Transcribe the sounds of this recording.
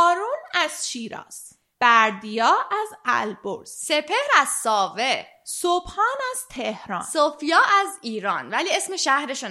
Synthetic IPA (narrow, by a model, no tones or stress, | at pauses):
ɒːɾunæz̥ʃiːɾɒ̰ːs | b̥æɾd̪ijɒːʔæzæ̰lbo̰ɾsse̞pʰehɾæzsɒːve | sobhɒːnæz̥t̪ʰehɾɒ̰ːnnsofijɒːʔæziːɾɒːnvæliːe̞sme̞ʃæhɾeʃon